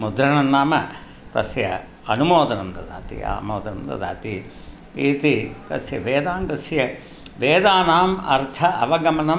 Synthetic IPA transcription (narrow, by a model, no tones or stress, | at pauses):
mud̪ɾɐɳɐnːaːmɐ̰ | t̪ɐ̰sjɐ̰ | ɐnumoːd̪ɐnɐmd̪ɐd̪a̰ːt̪ḭa̰ːmoːd̪ɐnɐmd̪ɐ̰d̪a̰ːt̪i | iːt̪it̪ɐ̰sjɐʋeːd̪aːmɡɐsjɐ | ʋeːd̪aːnaːmɐ̰ɾt̪ʰɐʔɐʋɐɡɐmɐnɐm